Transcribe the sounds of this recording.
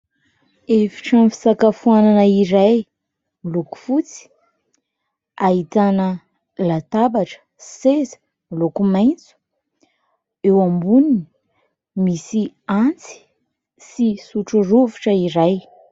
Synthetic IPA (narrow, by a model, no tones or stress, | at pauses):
eviʈ͡ʂamfi̥sakafuananəiɾaj | miluku̥fut͡si̥ | ait̪anə | lat̪abaʈ͡ʂə̥ | sezə̥ | milukumajnt͡su̥ | ewambunini | misiant͡si̥ | sisuʈ͡ʂuruvuʈ͡ʂəiɾaj